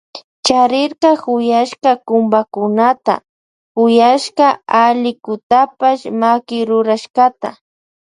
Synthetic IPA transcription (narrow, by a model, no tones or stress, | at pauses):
t͡ʃaɾɪɾqɑhʊjaʃkɑkʊmbakʊnat̪a̰ | kʊjaʃqɑalɪkʊt̪apaʃmakɪɾʊɾaʃqɑt̪a